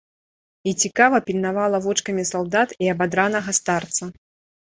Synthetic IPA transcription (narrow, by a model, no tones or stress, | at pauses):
it͡sʲikavɐpʲilʲnavalˠɐvɔt͡ʂkɐmʲisalˠd̪at̪iɐbad̪ɾanɐɣɐst̪art̪sɐ